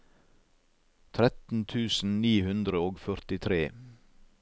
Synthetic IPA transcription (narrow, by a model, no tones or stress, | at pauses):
t̪ʰɾɛt̪n̩t̪ʰʉːsn̩niːhʉnd̪ɾəoːɡfœɾt̪ɪt̪ʰɾeː